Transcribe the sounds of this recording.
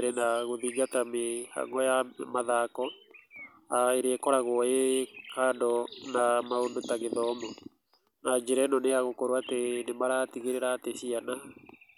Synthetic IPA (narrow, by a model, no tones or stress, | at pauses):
ɾenaɣoðiːŋɡatameha̰ŋɡɔjamaðakɔ | aeɾeɛkɔɾaɣwɔekaːndɔnamaondotaɣeðɔmɔ | nad͡ʒeɾɛnɔneaɣokoɾwatenemaɾatiɣeɾeɾaːteɕiana